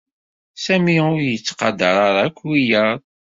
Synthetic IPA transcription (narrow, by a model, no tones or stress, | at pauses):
sæmiʊɾjət͡sːqɑd̪əɾˤɑɾˤækʷːwijəɾˤ